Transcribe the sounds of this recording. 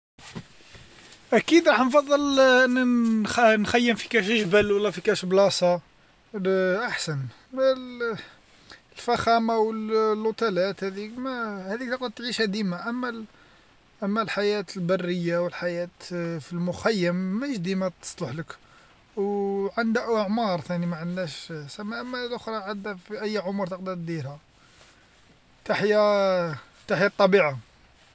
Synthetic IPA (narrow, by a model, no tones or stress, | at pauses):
ʔækid̪ɾˤɑħnfɑd̪ˤːəlʔənːæ | nxæjːəmfi̥kæʃʒbəlwəlːæfikæʃblɑsˤɑ | ʔaħsən | lfæxæmawəllʊt̪ælæt̪hæd̪ikmæhæd̪ikt̪ɑqut̪ːʕiʃæd̪imaʔəmːæ | ʔəmːælħajæt̪əlbɑrːəjːawəlħajæt̪filmʊxæjːəmːæʃd̪imat̪ːə̥sˤləħlək | wʕənd̪æʔəʕmɑɾˤt̪ænimaʕənːæʃsæmːæʔəmːæælʔʊxɾˤɑʕad̪æfiʔæjːʕʊmɾˤt̪əqd̪it̪d̪ilhæ | t̪aħja | t̪aħjat̪ˤːɑbiʕa